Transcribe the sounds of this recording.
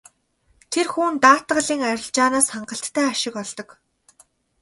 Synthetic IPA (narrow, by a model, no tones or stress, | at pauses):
t̪ʰerxuːnt̪aːt̪ɢə̆ɮiːŋæɾʲɪ̆ɮt͡ɕaːnaːsχaɴɢə̆ɬt̪ʰːæːaʃɪ̆kɔɮt̪ɞ̆k